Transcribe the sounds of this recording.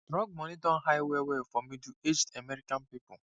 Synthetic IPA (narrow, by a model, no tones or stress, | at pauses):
dɾɔɡ̚mɔnɪdɔ̃n̩ɦaɪwewefɔmidued͡ʒtamɛɾikanpipʊ